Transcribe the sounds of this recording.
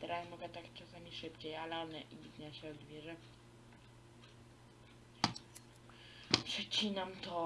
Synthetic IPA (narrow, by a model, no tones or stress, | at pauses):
t̪ɛɾasmɔɡɛt̪akt͡ʂasamʲiʂɘpt͡ɕejalɛɔnɛʔibʲit̪ɲaɕɛɔd̪vʲjɛʐɛ | pʂɛt͡ɕinamt̪ɔ